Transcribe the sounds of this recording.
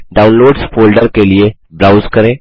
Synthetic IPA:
ɖawnloːɖsfolɖəɾkelije | bɾawzkəɾẽ

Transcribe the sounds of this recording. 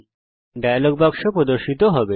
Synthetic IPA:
ɖajaloɡbakʃopɾod̪oɾʃit̪oɦɔbe

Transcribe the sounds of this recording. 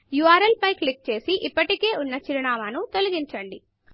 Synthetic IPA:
juaːɾɐlpɐjklik̚t͡ʃe̞ːsiʔipːɐʈike̞ːʔunːɐt͡ʃiɾɐnaːmaːnut̪o̞lɐɡiɲt͡ʃɐɳɖi

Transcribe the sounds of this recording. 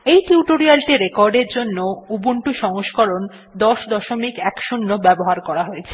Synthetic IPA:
ejʈuuʈoɾialʈiɾekɔɾɖeɾd͡ʑonːoubuɳʈuʃɔŋoʃkɔɾon | d̪ɔʃd̪ɔʃomikɛkʃunːobɛboɦaɾkɔɾaɦoet͡ɕʰe

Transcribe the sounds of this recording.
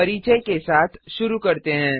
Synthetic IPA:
əɾit͡ʃəjkesat̪ʰʃuɾukəɾt̪enɛ̃

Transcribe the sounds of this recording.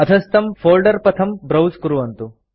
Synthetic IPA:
ɐt̪ʰɐst̪ɐmfoːlɖɐɾpɐt̪ʰɐmbɾɐwskuɾuʋɐnt̪u

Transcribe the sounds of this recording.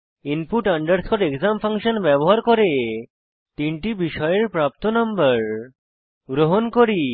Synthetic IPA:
inpuʈɐɳɖəɾsʰoɾekzampʰaŋʃənbɛboɦaɾkoɾe | t̪iɳʈibiʃɔjeɾpɾap̚t̪onambəɾ | ɡɾoɦonkoɾi

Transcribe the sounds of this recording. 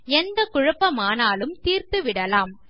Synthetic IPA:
ɛnd̪ɐkʊɻʊpːɐmaːnaːlɯmt̪iːɾt̪ɯʋɪɽɐlaːm

